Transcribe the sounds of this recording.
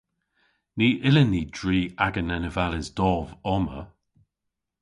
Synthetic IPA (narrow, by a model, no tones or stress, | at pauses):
niːʔɪlənːiːdɹiːaɡənɛnəvalɪzdɔːvɔmə